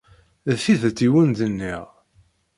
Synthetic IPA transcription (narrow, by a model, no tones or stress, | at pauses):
fiðæt̪ːiwənd̪ənːiʁ